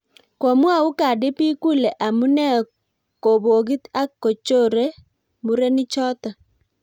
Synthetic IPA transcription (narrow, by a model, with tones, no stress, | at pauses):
ko˨mwa˦˨u˦ka˨dɪ˦pi˦ku˦le˨ʔa˨mu˦nɛ˦˨ | ko˨bo˨ɡi˦t̪a˦kːo˨t͡ʃo˦˨ɾe˦ | mu˦ɾe˦nɪ˦t͡ʃɔ˦t̪ɔ˨